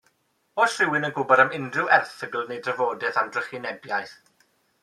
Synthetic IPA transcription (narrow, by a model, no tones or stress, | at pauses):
oːsrɪwɪnənɡʊbɔɾamɪndrɪwɛrθəɡl̩ˠnejdrəvoːdɛθawdrəχinɛbjajθ